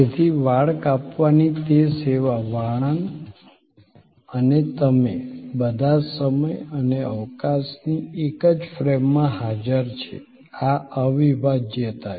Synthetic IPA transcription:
et̪ʰiʋaɭkapʋanit̪eseʋaʋaɭ̃ən | ənet̪əmebəd̪ʱasəməjəneəʋkasniekəd͡ʒfɾemːãɦad͡ʒəɾt͡ʃʰḛ | aəʋibad͡ʒjət̪a

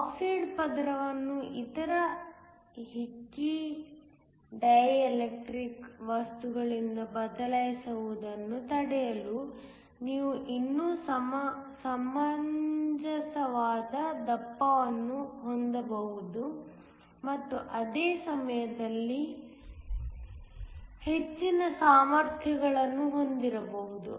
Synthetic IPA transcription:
siːɖpɐd̪ɾɐʋɐnːuʔit̪ɐɾɐ | ɦit͡ʃːi | ɖɐjɐlek̚ʈɾikʋɐst̪uɡɐɭind̪ɐbɐd̪ɐlɐjsɐʋud̪ɐnːut̪ɐɽɛjɐlu | niːʋuʔinːuːsɐsɐmɐɲd͡ʒɐsɐʋaːd̪ɐd̪ɐpːɐʋɐnːuɦo̞nd̪ɐbɐɦud̪u | mɐt̪ːuʔɐd̪eːsɐmɐjɐd̪ɐlːi | he̞t͡ʃːinɐsaːmɐɾt̪ʰjɐɡɐɭɐnːuɦo̞nd̪iɾɐbɐɦud̪ṵ

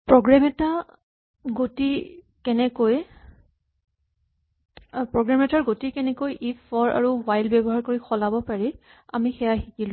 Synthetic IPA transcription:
pɹɔɡɹamɛta | ɡoti | kɛnɛkoj | pɹɔɡɹamɛtaɹɡotikɛnɛkojʔifɔɹa̰ɹuwajlbɛbɔɦaɹkoɹixɔlabɔpaɹi | a̰mixɛjaɦikilʊ

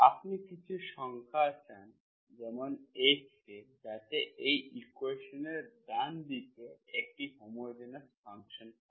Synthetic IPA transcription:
apnikit͡ɕʰuʃɔŋkʰat͡ɕan | d͡ʑɛmonet͡ɕked͡ʑat̪eʔejikuweʃoneɾd̪and̪it̪oek̚ʈiɦɔmɔed̪inaspʰaŋkʃon

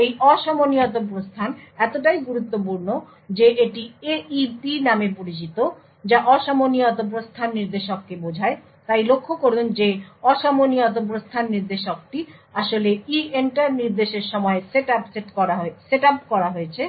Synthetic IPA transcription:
ejʔɔʃamoniot̪̬obɾost̪ʰanɛt̪oʈajɡuɾut̪ːopuɾno | d͡ʑeʔeʈieipinamepoɾit͡ɕit̪o | d͡ʑaʔɔʃamoniɔt̪̬ob̬ɾost̪ʰanːiɾd̪eʃokːebod͡ʑʱae | t̪ajlokʰːokoɾund͡ʑeɔʃamoniɔt̪̬obɾost̪ʰanːiɾd̪eʃok̚ʈiaʃoleienʈaɾniɾd̪eʃeɾʃɔmɔeseʈapseʈkɔɾaɦoseʈapkɔɾaɦoet͡ɕʰe

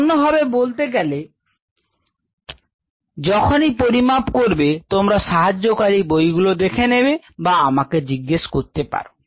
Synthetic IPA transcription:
nːoɦɔbebolt̪eɡɛle | d͡ʑɔkʰonipoɾimapkoɾbet̪omɾaʃaɦad͡ʑːokaɾibojɡulod̪ekʰenebe | baamaked͡ʑiɡːeʃkoɾt̪epa̰ɾo

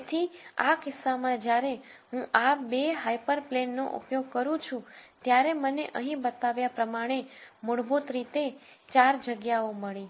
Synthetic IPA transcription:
t̪ʰia̰kɪsːamãd͡ʒjaɾeɦũʔabeɦajpəɾplenːo̰ʔṵpjoɡ̚kəɾũt͡ʃʰũt̪jaɾeməneʔəɦĩbət̪aʋjapɾəmaɽ̃emʊɽbut̪ɾit̪et͡ʃaɾd͡ʒəɡjaoməɭĩ

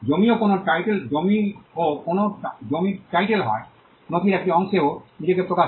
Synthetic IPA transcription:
d͡ʑomiokonoʈajʈeld͡ʑomiokonod͡ʑomiʈajʈelɦɔ̰e | not̪ʰiɾɛk̚ʈiɔŋʃeonid͡ʑekepɾokaʃ

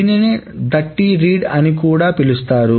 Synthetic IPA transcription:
inineːd̪ɐʈːiɾiːɖɐnikuːɽaːpilust̪aːɾu

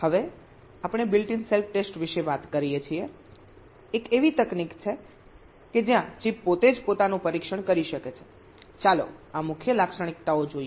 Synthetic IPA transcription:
həʋe | apɳ̃ebɪlʈinselfʰʈesʈʋiʃeʋat̪kəɾijet͡ʃʰieː | keʋit̪əknikt͡ʃʰe | ked͡ʒjãt͡ʃipːot̪ed͡ʒpot̪anũpəɾikʃəɳkəɾiʃəket͡ʃʰe̥ | t͡ʃalo̰amʊkʰjəlakʃəɳ̃ik̚t̪aod͡ʒoie

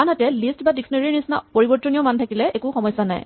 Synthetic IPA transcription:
anɦatɛlistbadiksɔneɹinisna̰poɹibɔɹtɔnijɔmantʰakilɛʔekuxɔmɔjsana̰j

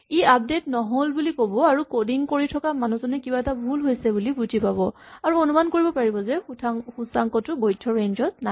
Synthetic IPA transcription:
iap̚detnɔɦolbulikobɔaɹukodiŋkoɹitʰɔkamanuzɔnɛkibaɛtabʱulɦojsɛbulibud͡ʒʱipabɔaɹuonumankoɹibɔpaɹibɔzɛxusaŋkɔtʊɡojtʰːɔɹenzɔtna

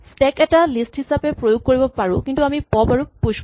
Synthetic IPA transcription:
stɛkɛtalisthisapepɹojuɡ̚koɹibɔpaɹʊ̃kintuamipɔbaɹupuʃ

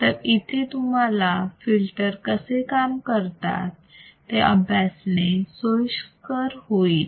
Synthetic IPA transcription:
t̪əɾit̪ʰet̪um̤alafilʈəɾkəsekamkəɾt̪a̰t̪ːeʔəbʱjasnesojɕkəɾɦoiːt̪

